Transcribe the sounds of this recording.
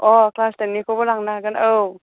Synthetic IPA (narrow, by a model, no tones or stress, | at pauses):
ʔɔːkʰlaːst̪ɛnːiːkʰabɔːlaŋnaːkanʔɤːw